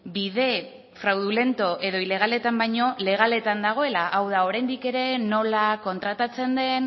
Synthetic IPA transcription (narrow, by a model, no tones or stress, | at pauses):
biðe̞ | fɾawðule̞nt̪o̞ʔe̞ðo̞ile̞ɣ̞ale̞t̪ambajɲo̞le̞ɣ̞ale̞t̪and̪aɣ̞o̞e̞laʔawðao̞ɾajnd̪ike̞ɾe̞no̞lako̞nt̪ɾat̪at͡se̞nd̪e̞n